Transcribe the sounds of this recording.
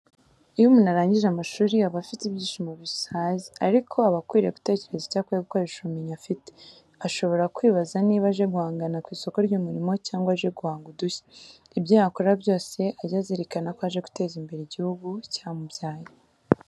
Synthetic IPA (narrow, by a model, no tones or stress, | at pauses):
ijomunaɾaːɲɟiʒeamaʃuːɾiaβafitibjiːʃimoβisaziaɾikʰo̞aβakwiːɾe̞ku̥te̞ːce̞ɾe̞zicaːkweβukaɾiʃumiɲafite̥ | aʃo̞βo̞ɾakwiːβazaniːβaʒe̞ɡuhaːŋɡanakwiːso̞ko̞ɾɟuːmuɾimo̞caːŋɡwaaʒe̞ɡuhaːŋɡuduçḁ | ibjahakoɾabjo̞ːse̞ʔajazeɾekanakohaʒe̞ɡu̥te̞ːzimbe̞ɾeɟihuɡucamubjaːje